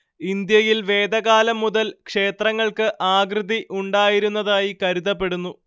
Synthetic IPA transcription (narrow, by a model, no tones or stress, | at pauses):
ind̪jɐjilʋe̞ːd̪ɐɣaːlɐmːuðɐlkʂe̞ːt̪rɐŋːɐɭkɨʔaːɡrɨd̪iʔuɳɖaːjiɾunːɐðaːjikɐɾuðɐpːe̞ɽunːu